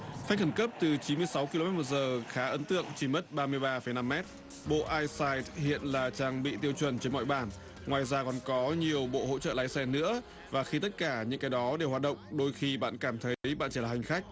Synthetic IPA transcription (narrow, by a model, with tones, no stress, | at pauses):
fa˦˥k̟̚xə˧˩nkə˦˥p̚t̪ɨ˨˩t͡ɕi˨˦nmɨ˧əjsa˨˦wki˧lo˧mɛ˦˥t̚mu˨˩zəː˨˩xaː˨˦ʔə˨˦nt̪ɨ̰˧˨əŋt͡ɕi˧˩mə˦˥t̚ɓaː˧mɨ˧əjɓaː˧fə˧˩jna˧mːɛ˦˥t̚ | ɓo̰˧˨ʔaː˧jsaː˧jthḭ˧˨ənlaː˨˩t͡ɕaː˧ŋɓḭ˧˨t̪i˧əwt͡ɕwə˧˩nt͡ɕe˧nmɔ̰˧˨jɓaː˧˩n | ŋwaː˨˩jzaː˧kɔ˨˩nkɔ˨˦ɲi˨˩əwɓo̰˧˨ho̰˧˥t͡ɕə̰ː˧˨laː˨˦jsɛ˧nɨ̰˧˥ə | vaː˨˩xi˧t̪ə˦˥t̚kaː˧˩ɲɨ̰˧˥ŋkaː˨˦jɗɔ˨˦ɗe˨˩whaː˨˩t̚ɗə̰˧˨wŋ͡mɗo˧jxi˧ɓa̰ː˧˨nkaː˧˩mt̪ʰə˨˦jɓa̰ː˧˨nt͡ɕi˧˩laː˨˩ɦa˨˩ŋ̟xa˦˥jk̟̚